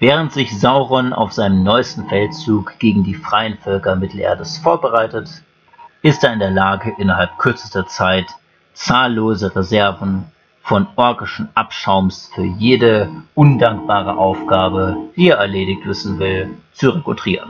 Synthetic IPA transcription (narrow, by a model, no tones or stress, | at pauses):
vɛːʁ̞əntz̥ɪçzaʊʁɔnʔa̰ʊfz̥aɪnəmnɔʏstn̩fɛltt͡suːkɡ̥eːɡŋ̩diːfʁ̥aɪənfœlkɐmɪtl̩ʔḛːɐdəsfoːɐbəʁaɪtət | ʔɪsteːɐɪndeːɐlaːɡəʔɪnɐɦalp̚kʰʏɐt͡sə̥stɐt͡saɪt | t͡saːlːoːzəʁezɛɐvn̩ | fɔnʔɔɐɡɪʃn̩ʔapʃaʊmsfyːɐjeːdəʔʊndaŋk̚b̥aːʁə̰ʔaʊfɡ̥aːbəv̥iːɛːɐɛɐleːdɪçtv̥ɪsn̩vɪlt͡suʁekʊtʁ̥iːʁən